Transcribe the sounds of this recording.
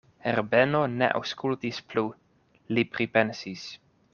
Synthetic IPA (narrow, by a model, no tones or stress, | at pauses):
eɾbenonḛʔa̰wskult̪isplu | lipɾipensis